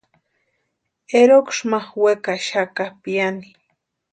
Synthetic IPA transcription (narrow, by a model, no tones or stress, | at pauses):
eɾokʃmaχwekaʃakapijani